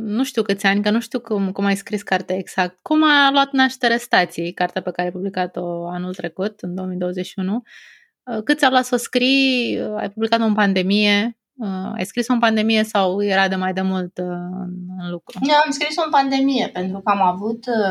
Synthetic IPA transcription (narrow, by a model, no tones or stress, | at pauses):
nuʃt̪iukɨt̪sʲanʲkənuʃt̪iukumkumajskɾiskart̪eaeɡz̥ak̚t̪kumaloat̪naʃt̪e̞ɾest̪at̪sijkart̪eape̞kaɾeajpublikat̪o̞anult̪ɾe̞kut̪ɨnd̪o̞omijd̪oozeʃiunu | əkɨt̪sʲavlat̪soskɾija̰jpublikat̪ompand̪e̞mije | əa̰jskɾisonpand̪e̞mije̞sawjeɾad̪emajd̪e̞mult̪ɨ̰nɨnlukɾunoamskɾisonpand̪e̞mije̞pe̞nt̪ɾukəamavut̪